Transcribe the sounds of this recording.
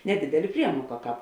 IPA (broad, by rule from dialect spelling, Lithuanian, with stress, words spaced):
nʲɛˈdʲɪdʲɛlʲeː ˈpʲrʲiɛmuɔkɐ ˈkɑːp